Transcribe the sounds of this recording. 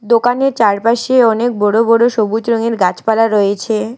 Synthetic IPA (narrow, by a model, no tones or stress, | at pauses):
d̪okaneɾt͡ɕaɾpaʃeɔnek̚bɔɽobɔɽoʃobut͡ɕɾoŋeɾɡat͡ɕpalaɾojet͡ɕʰe